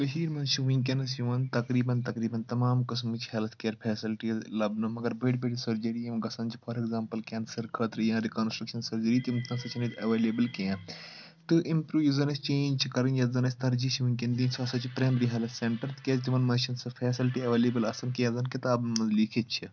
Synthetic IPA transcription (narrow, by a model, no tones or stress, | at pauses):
ɐɦiːɾmɐnʃʰiʋĩk̬ʲenɐsjiʋɐnt̪ɐkɾiːbɐnt̪ɐkɾiːbɐnt̪ɐmaːmkɐs̬mɨt͡ʃʰhɛlt̪ʰkeːɾpʰɛːsilʈilɐbnomɐɡɐɾbɐʈbeʈisɐɾd͡ʒɐɾijɐmɡɐsɐnt͡ʃʰipʰɐːɾeɡzãːmpɐlkʲɛːnsɐɾkʰəːt̪ɾɨjãːɾikoːnsʈɾɐkʃɐnsɐɾd͡ʒɐɾiːt̪imɐ̃sɐt͡ʃʰinit̪ɐʋeːleːbəlkeː | t̪ɨʔimpɾuːʋjizɐnɐst͡ʃẽːnd͡ʒt͡ʃʰikɐɾɐnjɐzɐnɐsʲt̪ɐɾd͡ʒiʃʰiʋũkʲɐnd̪iːnsɐsɐt͡ʃʰipɾeːmɾiɦɐlɐt̪ʰsẽɳʈɐɾt̪kʲeːst̪iʋɐnmɐnʃɐnsɐfʰɛːsilʈiɐʋeːleːbəlɐsɐnkeɐ̃zɐnkɪt̪aːbnnɐnzliːkʰet̪t͡ʃʰi